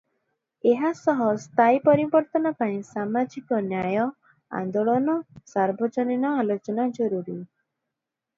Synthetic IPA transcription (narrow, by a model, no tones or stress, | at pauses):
eɦasɔɦɔst̪ʰaipɔɾibɔɾt̪ɔnɔpaĩsamad͡ʒikɔnjajɔ | a̰nd̪oɭɔnɔsaɾbʱɔd͡ʒɔninɔalot͡ʃɔnad͡ʒɔɾuɾi